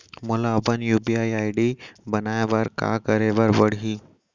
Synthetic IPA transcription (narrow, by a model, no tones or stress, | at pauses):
mʊlabənjuːbiaːiaːiɖibɐnaːeʋəɾka̰ːkɐɾeʋəɾʋɐɽɦiː